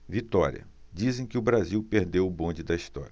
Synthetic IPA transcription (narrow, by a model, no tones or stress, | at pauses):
vit̪ɔɾḭɐ̰ | d͡ʒizẽj̃kɪʊbɾaziwpeɾd̪ewʊbõd͡ʒɪd̪ɐiʃt̪ɔ̰ɾʲjɐ